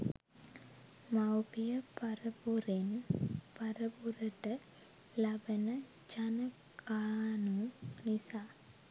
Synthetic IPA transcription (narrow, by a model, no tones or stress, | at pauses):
mawpijəpaɾəbuɾenpaɾəbuɾəʈə | labənə | t͡ʃanə | kaːnunisaː